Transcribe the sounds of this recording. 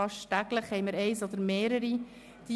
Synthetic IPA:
ɑʃtæɡləχhɛɪməɾɛɪsod̪əɾmeːɾəɾi | d̪̥i

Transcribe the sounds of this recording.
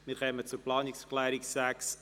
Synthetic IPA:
mɪɾχœːmət͡suɾplɑːniksklɛːɾiksæks

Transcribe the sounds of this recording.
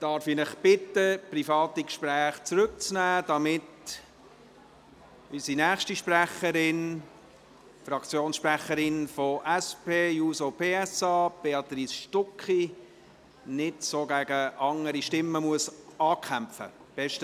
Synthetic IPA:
d̥ɑɾfinɪχb̥ɪtːəprifɑːt̪ikʃpɾæːχt͡sɾʏk̚t͡snæːd̥ɑmɪt | ysinæːχʃtiʃpræχəɾɪn | frɑkt͡sjoːnsʃpræχəɾɪnfoʔɛspeːjuːsopʰeːɛsɑːb̥eɑt̪ɾiːsʃtɔkχi | nɪdsoːɡæɡəʔɑŋəɾiʃtɪmːəmuəsɑːkχæmfə̰ | b̥ɛʃtə

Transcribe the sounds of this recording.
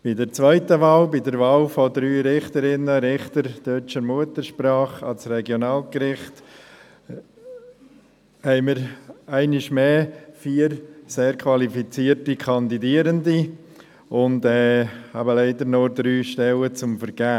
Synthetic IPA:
b̥ɪdəɾt͡svʋœɪtəʋaːlbɪdəɾvaːlfɔdɾyːɾɪχtəɾɪnəɾɪχtəɾd̥œt͡ʃəɾmuətəɾʃpɾɑːχɑ̰lsrɛɡjonɑːlkɾɪχt | hɛɪmiɾæɪnɪʃmeːfiːəɾseːɾkʰʋɑlifit͡siːəɾtikʰɑndidiəɾəndi | ʊndɛːhæbəlɛɪdəɾnod̪ɾyːʃtɛlət͡sʊmfəɾɡ̥æː

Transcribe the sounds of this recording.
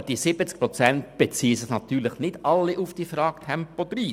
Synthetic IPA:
d̥isɪbət͡sk̚pɾɔt͡sɛnt̚b̥et͡siːəsɪχnɑt̪yːɾlɪχnɪd̥ɑlːiʔʊfd̥iəfɾɑːkt̪ʰɛmpod̪riːs

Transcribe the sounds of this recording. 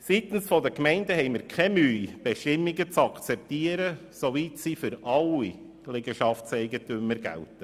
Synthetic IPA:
sit̪n̩sfɔdəkmɛɪndəhɛɪmɪːɾkʰɛmyːb̥eʃtɪmːiɡət͡sɑkt͡sɛp̚tiːəɾəsovitsifʏɾɑli | lɛɡəʃɑftsɛɪɡətymːəɾɡæ̰ltə

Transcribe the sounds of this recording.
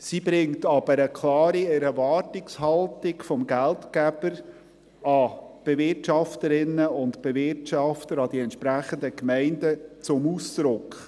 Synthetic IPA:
sibɾɪŋtɑb̥əɾəkʰlɑːɾiɛɾvɑːrtɪkshɑltɪkfɔmɡæltkæb̥əɾ | ɑb̥evɪɾtʃɑftəɾɪnːəʊntb̥evɪɾtɑftəɾɑd̥iɛntt͡ʃʃpɾæχəndəkmɛɪndət͡sʊmuːsd̪̥ɾʊkχ

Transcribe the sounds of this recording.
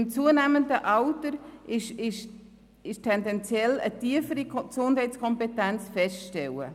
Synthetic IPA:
ɪmt͡suːənæməndəʔaʊtəɾɪʃɪʃ | ɪʃtʰɛndɛnt͡sjɛlətiəfəɾiksʊnd̥hɛɪtt͡skʰɔmpetɛnt͡sfɛstʃtɛwə̰

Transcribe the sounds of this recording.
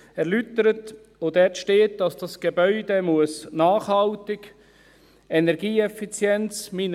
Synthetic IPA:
ɛɾlyt̪əɾət | od̥̪ɛtʃteːt̚d̥ɑsd̥ɑsɡ̥ebœʏd̪emuəsnɑːχhɑltɪɡ | ɛnɛɾɡiːɛfit͡sjɛnt͡smin

